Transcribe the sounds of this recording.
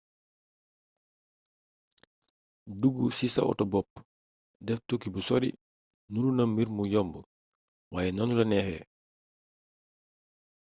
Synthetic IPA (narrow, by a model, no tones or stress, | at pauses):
duɡusisɐ̰ʔɔ̰tɔbɔp̚ː | dɛftukːibəsɔɾḭ | nuɾunɐmːiɾmujɔmbə | waːjɛnɐnulɐnɛxɛ̰